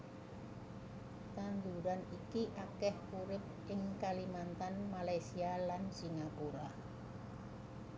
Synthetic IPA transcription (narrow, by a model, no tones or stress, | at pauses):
t̪and̪uɾanikiʔakɛhuɾɪp̚ʔɪŋkalimant̪anmalajsialansiŋakuɾa